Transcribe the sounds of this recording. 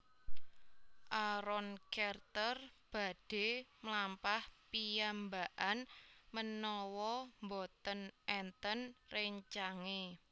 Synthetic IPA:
ʔaɾɔnkɛrt̪ərb̥a̤d̥e̤mlampahpijambaʔanmənɔwɔmbɔt̪ənʔɛnt̪ənreɲt͡ʃaŋe

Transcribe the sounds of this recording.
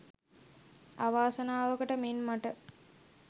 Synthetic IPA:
aʋaːsɐnaːʋəkəʈəmenmaʈə

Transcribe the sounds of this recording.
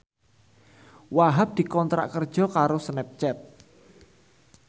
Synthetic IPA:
waɦap̚d̪̥i̤kɔnt̪ɾa̰ʔkərd̥ʒ̥ɔ̤kaɾosnɛp̚t͡ʃɛt̪̚

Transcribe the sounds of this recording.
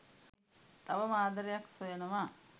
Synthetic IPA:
t̪aʋəmaːd̪əɾejaksojenəʋaː

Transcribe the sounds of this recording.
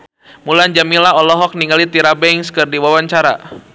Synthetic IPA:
muland͡ʒamilaɔlɔɦɔk̚niŋalit̪iɾabɛŋskɨrdiwawaɲt͡ʃaɾa̰

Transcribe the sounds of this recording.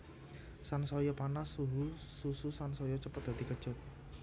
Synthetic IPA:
sansɔjɔpanasuɦusususansɔjɔt͡ʃəpət̪̚d̪̥a̤d̪ikə̥ʒ̥ʊt̪̚

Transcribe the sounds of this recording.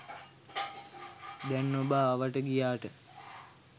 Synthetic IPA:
d̪ɛnːobaːʋaʈəɡijaːʈə

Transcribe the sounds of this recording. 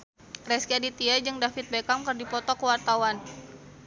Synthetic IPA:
rɛskiadit̪iad͡ʒɨŋdafit̪̚bekamkərdipɔt̪ɔkəwart̪awan

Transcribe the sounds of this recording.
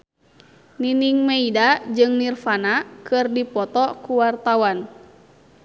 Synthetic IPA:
niniŋmɛidad͡ʒɨŋnirfanakʰɨrdipɔt̪ɔkuwart̪awan

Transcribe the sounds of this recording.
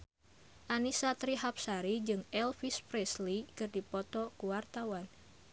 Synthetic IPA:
ʔanisat̪ɾiɦap̚saɾid͡ʒɨŋɛlfispɾɛslikɨrdipɔt̪ɔkuwart̪awan

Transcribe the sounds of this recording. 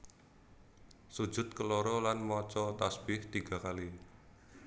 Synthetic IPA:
su̥d͡ʒ̥ʊ̤t̪̚kəlɔɾɔlanmɔt͡ʃɔt̪asb̥ɪht̪iɡ̥a̤kali

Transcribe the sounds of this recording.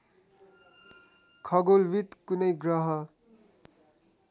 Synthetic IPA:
kʰʌɡolwit̪kunʌjɡrʌɦʌ

